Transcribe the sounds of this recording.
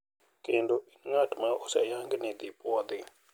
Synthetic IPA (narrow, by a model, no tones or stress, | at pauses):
kendoinŋatmaɔsajaŋɡnɪd̪ɪpwɔd̪ɪ